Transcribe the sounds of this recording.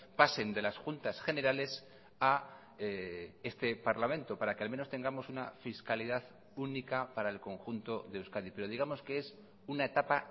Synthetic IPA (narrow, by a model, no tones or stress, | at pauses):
pase̞nd̪e̞lasxunt̪asχe̞ne̞ɾale̞s | a | ee̞st̪e̞paɾlamẽ̞nt̪o̞paɾakealmẽ̞not̪e̞ŋɡamo̞sunafiskaliðað | unikapaɾaelko̞ŋxunt̪o̞ðe̞ewskaðipe̞ɾo̞ð̞iɣ̞amo̞skees | unae̞t̪apa